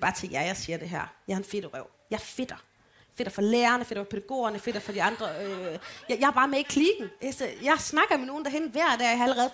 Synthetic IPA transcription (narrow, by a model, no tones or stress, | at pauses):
b̥ɑ̈ːt͡sʰeŋɡ̥jɑ̈ɪjɑ̈ɪsiːɐd̥e̝ɦæɐ̰jɑæɐenfe̝d̥əʁɛʊ̰jɑ̈ɪfe̝d̥ɐ | fe̝ɾ̥ɐfɒ̽leːɐnəfe̝ɾɐfɒ̽pʰeɾ̥æɡ̥o̝̰ːɐnəfe̝d̥ɐfɒ̽d̥iɑ̈nd̥ʁɐøjɑjɑ̈bɑ̈ːmee̝ɡ̥̚kʰliɡ̥n̩esəjɑ̈ɪsnɑ̈ɡ̥ɐmeno̝ːn̩d̥æɦenʋæɐ̰d̥æɐjɑhɑ̈æləʁɛːð̞̩ˠ